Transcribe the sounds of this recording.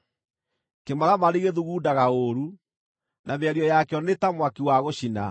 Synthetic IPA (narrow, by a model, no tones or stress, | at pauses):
kemaɾamaɾiɣeðuɣuːdaɣaoɾu | nʔameaɾiɔjakɛɔnetamwakiwaɣoɕina̰